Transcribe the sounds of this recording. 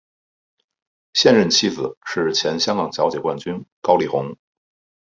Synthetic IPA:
ɕjɛ˥˧nɻə˥˩nt͡ɕʰi˥d͡zɹ̩˨˩ʂɻ̩˥˩t͡ɕʰjɛ˧˥nɕjɑ˥ŋkɑ˨˩ŋt͡ɕjɑ˧˥ʊt͡ɕjɛ˨˩kwa˥˩nt͡ɕy˥nkɑ˥ʊli˨˩xʊ˧˥ŋ

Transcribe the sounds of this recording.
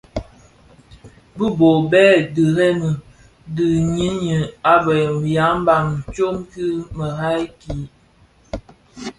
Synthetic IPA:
bə˦bo˨bɛ˦də˨ɾɛ˦mə˨ | də˨ɲi˦njə˨a˦bɛ˨ja˨˦m˦ba˨ŋ˨t͡ʃo˦mki˦mə˨ɦa˦jki˨˦

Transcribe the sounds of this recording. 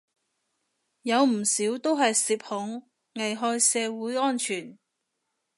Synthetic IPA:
jɐ˨˧wm̩˨˩siː˨˥wt̪o˥wɦɐ˨jsiː˨p̚hʊ˨˥ŋ | ŋɐ˨˩jɦɔː˧jsɛː˨˧wuː˨˥jɔː˥nt͡ʃʰyː˨˩n

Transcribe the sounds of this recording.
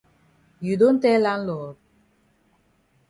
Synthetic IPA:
ju˨do˦n̩˦tɛ˦la˦n̩˦lɔː˨

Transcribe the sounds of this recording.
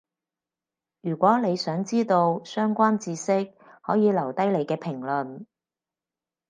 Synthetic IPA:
jyː˨˩kʷwʷɔː˨˥ne˨˧jsœː˨˥ŋt͡siː˥t̪o˧wsœː˥ŋkʷaː˥nt͡siː˧sɪ˥k̚hɔː˨˥jiː˨˧lɐ˨˩wt̪ɐ˥jle˨˧jkɛː˧pʰɪ˨˩ŋlɵ˨˩n

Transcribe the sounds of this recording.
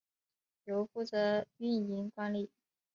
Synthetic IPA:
jo˧˥ʊfu˥˩t͡sɤ˧˥y˥˩ni˧˥ŋkwa˥nli˥˩

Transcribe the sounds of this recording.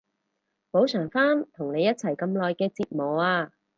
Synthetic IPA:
po˨˥wsʰœː˨˩ŋfaː˥nt̪ʰʊ˨˩ŋne˨˧jːɐ˥t̚t͡sʰɐ˨˩jkɐ˧mlɔː˨˧jkɛː˧t͡siː˧t̚mɔː˨aː˧

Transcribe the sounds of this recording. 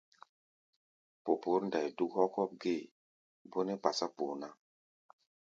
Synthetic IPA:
po˨po˨˦ɾnda˨jdu˦khɔ˦kɔ˦p̚ɡe˦˨ | bo˦ne˦pa˨sa˦po˨na˦

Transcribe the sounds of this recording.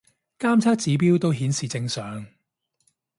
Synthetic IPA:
kaː˥mt͡sʰaː˥k̚t͡siː˨˥p̬iː˥wt̪o˥wɦiː˨˥nsiː˨˩t͡sɪ˧ŋsœː˨˧ŋ

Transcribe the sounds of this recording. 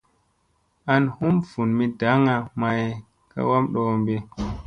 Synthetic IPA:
ʔa˦nhu˦mfu˨nmi˦da˨˦ŋa˨ma˨j | ka̰˦wa˦mɗɔ˨mbɛ˨

